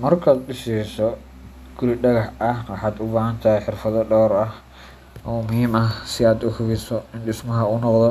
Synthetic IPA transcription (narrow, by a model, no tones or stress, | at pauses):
mɐrkʰaːd̪ɗɪsɛsɔ | ɡʊɾɪɖɐɣɐħɐwɑħɑːd̪ʊbaːhɐnt̪ʰɐɦɛħɪrfɐðɔɖɔːɾɐ | ɔːmʊhiːmɐsɪaːd̪ʊfʊɣɪsɔɪnɖɪsmɐɦɐʊnɔqðɔ